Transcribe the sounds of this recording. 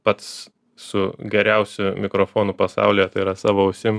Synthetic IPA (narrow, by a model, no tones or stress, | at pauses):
pɐt̪s | sʊɡʲɛɾʲɛʊsʲʊmʲɪkɾoːfoːnʊpɐsɑ̰ˑʊlʲijɛt̪ɐɪɾɐsɑːʋoːʊsʲɪm